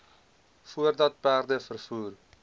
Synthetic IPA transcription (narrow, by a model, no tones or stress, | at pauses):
fuərdɐt̚pæːrdəfərfuːr